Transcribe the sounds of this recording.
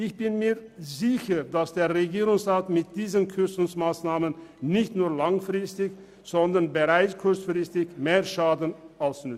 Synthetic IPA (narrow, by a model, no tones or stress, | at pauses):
ʔɪçb̥ɪnmiːɐzɪçədasd̥eːɐʁɛɡiːʁʊŋsʁaːtmɪt̚d̥iːzənkʰʏsʊŋsmaːsnaːmənnɪçtnuːɐlaŋfʁɪstɪç | z̥ɔndɐʁnbəʁaɪt͡skʰʊɐt͡sfʁ̥ɪstɪçmeːɐʃaːdən̩ʔaʊsnʏt͡s